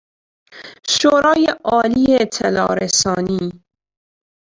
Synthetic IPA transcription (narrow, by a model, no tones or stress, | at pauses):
ʃoːɾɒːjeʔɒːliːet̪ʰelɒ̰ːɾesɒːniː